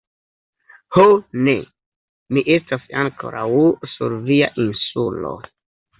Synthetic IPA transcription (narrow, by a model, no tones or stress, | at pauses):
hone̞ | miʔe̞stasaŋkʰo̞̰ɾawsuɾvia̰ʔinsulo̞̰